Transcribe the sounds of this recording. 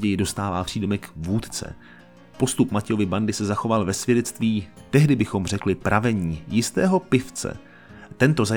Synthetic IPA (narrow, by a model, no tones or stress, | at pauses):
ɟɛjɪdo̞st̪aːvaːpr̥iːdomɛkvuːt̪t͡sɛ̰ | po̞st̪upmacɛjo̞vɪbandɪsɛzaxo̞valvɛsv̥jɛdɛt͡st̪viːt̪ɛɦdɪbɪxo̞mr̝ɛklɪpɾʔavɛɲiːjɪst̪ɛːɦo̞pɪft͡sɛ̰ | t̪ɛnt̪o̞za